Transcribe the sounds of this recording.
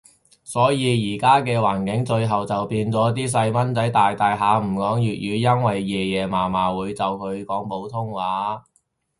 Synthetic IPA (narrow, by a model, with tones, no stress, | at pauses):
sɔː˨˥jiː˨˧jiː˨˩kaː˥kɛː˧waː˨˩nkɪ˨˥ŋt͡ʃɵ˧ɥɦɐ˨wt͡sɐ˨wpiː˧nt͡sɔː˨˥t̪̬iː˥s̬ɐ˧jmɐ˥nt͡sɐ˨˥jt̪aː˨jt̪aː˨jɦaː˨˧m̩˨˩kɔː˨˥ŋjyː˨t̚jyː˨˧jɐ˥nwɐ˨jːɛː˨˩jɛː˨˩maː˨˩maː˨wuː˨˧jt͡sɐ˨wkʰɵ˨˧ɥkɔː˨˥ŋpo˨˥wt̪ʰʊ˥ŋwaː˨˥